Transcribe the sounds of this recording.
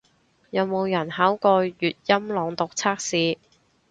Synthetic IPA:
jɐ˨˧wmo˨˧wjɐ˨˩nhaː˨˥wkɔː˧jyː˨t̚jɐ˥mlɔː˨˧ŋt̪ʊ˨k̚t͡sʰaː˥k̚siː˨˧

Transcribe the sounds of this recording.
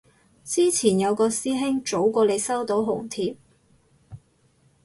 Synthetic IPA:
t͡siː˥t͡sʰiː˨˩njɐ˨˧wkɔː˧siː˥ɦɪ˥ŋt͡ʃo˨˥wkʷɔː˧le˨˧jsɐ˥wt̪o˨˥wɦʊ˨˩ŋt̪ʰiː˧p̚

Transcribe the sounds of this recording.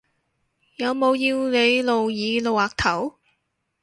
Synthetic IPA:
jɐ˨˧wmo˨˧wjiː˧wne˨˧jlo˨wjiː˨˧lo˨waː˨k̚t̪ʰɐ˨˩˥w

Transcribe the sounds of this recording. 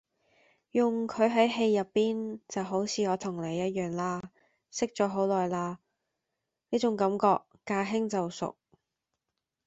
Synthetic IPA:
jʊ˨ŋkʰɵ˨˧ɥɦɐ˨˥jɦe˧jːɐ˨pːiː˥nt͡sɐ˨wɦo˨˥wt͡sʰiː˨˧ɔː˨˧t̪ʰʊ˨˩ŋle˨˧jːɐ˥t̚jœː˨˩ŋlaː˥ | sɪ˥k̚t͡sɔː˨˥ɦo˨˥wlɔː˨jlaː˥ | niː˥t͡sʊ˨˥ŋkɐ˨˥mkɔː˧k̚ːaː˧ɦɪ˥ŋt͡sɐ˨wsʊ̰˨k̚

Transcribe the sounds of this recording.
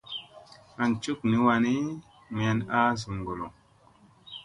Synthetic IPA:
a˨nt͡ʃu˦k̚ni˨˦wa˧ni˦ | m˨a˧˨na˦zu˨ŋ˨ɡo˨lo̰˨

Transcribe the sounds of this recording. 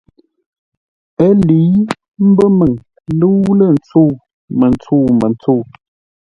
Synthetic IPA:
ə˦li˨˦ | m̩˦bə˦mə˨ŋ | lə˦wlə˦˨n̩˨t͡su˦˨ | mə˨nt͡suː˦˨mə˨n˨t͡suː˦˨

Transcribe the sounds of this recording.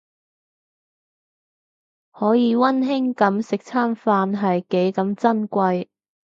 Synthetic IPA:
hɔː˨˥jiː˨˧wɐ˥nɦɪ˥ŋkɐ˨˥msɪ˨k̚t͡sʰaː˥mfaː˧nɦɐ˨jke˨˥jkɐ˨˥mt͡sɐ˥nkʷɐ˧j

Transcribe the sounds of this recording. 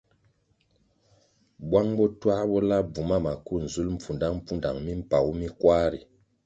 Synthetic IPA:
bwa˦ŋbɔ˦twa˦bɔ˦la˦b͡vu˨ma˦ma˨ku˦n̩˨zu˦lm̩˨fu˨nda˦m̩˦pu˦nda˨ŋmi˦m̩˦pa˨wu˦mi˦kwa˦ɾi˨

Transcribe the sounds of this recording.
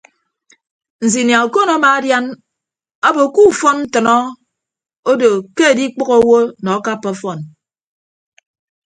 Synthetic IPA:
n̩˨zi˨nja˨o˨ko˦nɔ˦ma˨˦dja˦n | ɔ˦bo˨ku˦˨fɔ˦nn̩˦tɨ˨nɔ˦ | o˦do˨ke˦e˨di˦k͡pɔ˦ɣo˦wo˦nɔ˨a˦ka˦pːɔ˦fɔ˨n

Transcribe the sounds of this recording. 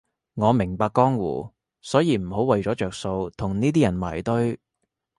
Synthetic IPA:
ŋɔː˨˧mɪ˨˩ŋpaː˧kːɔː˥ŋwṵː˨˩ | sɔː˨˥jiː˨˧m̩˨˩ho˨˥wɐ˨jt͡ʃɔː˨˥t͡ʃœː˨k̚so˧wt̪ʰʊ˨˩ŋniː˥t̪̬iː˥jɐ˨˩nma̰ː˨˩jt̪ɵ˥ɥ

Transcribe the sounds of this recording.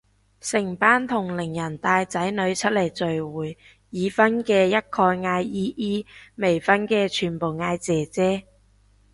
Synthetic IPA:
sɪ˨˩ŋpaː˥nt̪ʰʊ˨˩ŋlɪ˨˩ŋjɐ˨˩nt̪aː˧jt͡sɐ˨˥jnɵ˨˧ɥt͡ʃʰɵ˥t̚le˨˩jt͡sɵ˨ɥwuː˨˩jː | iː˨˧fɐ˥nkɛː˧jɐ˥t̚kʰɔː˧jŋaː˧jiː˥ʔiː˥me˨˩jfɐ˥nkɛː˧t͡ʃʰyː˨˩npo˨˩wŋaː˧jt͡sɛː˨t͡sɛː˥

